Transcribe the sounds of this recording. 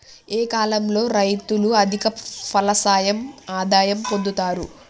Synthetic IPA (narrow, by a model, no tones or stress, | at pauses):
eːkaːlɐmlo̞ːɾɐjt̪uluɐd̪ʱikɐpʰɐlɐsaːjɐmaːd̪aːjɐmpond̪ut̪aːɾu